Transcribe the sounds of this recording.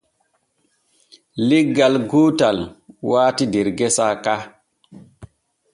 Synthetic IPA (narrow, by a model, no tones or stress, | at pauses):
liɡalɡotalwaːtideɾɡesaka